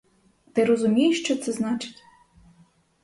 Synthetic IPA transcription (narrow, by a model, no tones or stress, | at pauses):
t̪ɪɾɔzʊmʲijɪʃt͡ʃɔt̪sɛznɑt͡ʃɪ̥tʲ